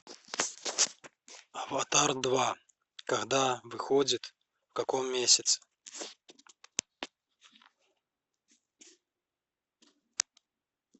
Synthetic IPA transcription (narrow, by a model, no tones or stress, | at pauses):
ɐvat̪ard̪va | kaɣd̪avɨxɔd͡zʲit̪ | wkakɔmːʲesʲɐt̪sɛ̥